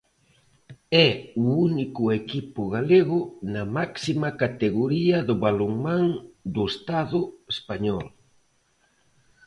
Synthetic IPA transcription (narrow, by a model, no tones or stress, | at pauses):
ɛuunikʊekipʊɣaleɣʊnɐmaksimakat̪eɣoɾiɐðʊβaloŋmãŋd̪ʊest̪aðʊespaɲɔl